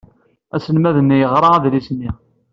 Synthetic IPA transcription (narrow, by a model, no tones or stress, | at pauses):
æsəlmæðənːijəʁɾˤɑæðlisnːi